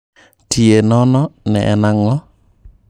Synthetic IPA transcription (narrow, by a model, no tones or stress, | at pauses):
tienɔnɔnɛ̰ʔɛnaŋɔ